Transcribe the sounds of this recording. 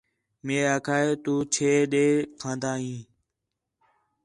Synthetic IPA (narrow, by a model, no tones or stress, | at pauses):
meːaːkʰaːeːt̪uːt͡ʃʰeːɗeːkʰãːnd̪aːɦĩː